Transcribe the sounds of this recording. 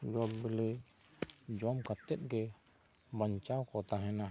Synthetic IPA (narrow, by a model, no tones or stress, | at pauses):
d͡ʒɔbbələ | d͡ʒɔmkat̪ɛt̪̚ɡɛ | baɲt͡ʃawkɔt̪aɦɛ̃na